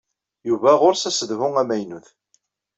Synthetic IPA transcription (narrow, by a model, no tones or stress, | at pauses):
juvæʁʊɾsæsəðvʊŋæmæjnuθ